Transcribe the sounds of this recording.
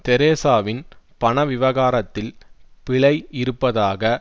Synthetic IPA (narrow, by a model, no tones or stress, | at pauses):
t̪ɛɾeːsaːʋɪnpɐɳɐʋɪʋɐɣaːɾɐt̪ːɪlpɪɭɐɪɪɾɯpːɐðaːɣɐ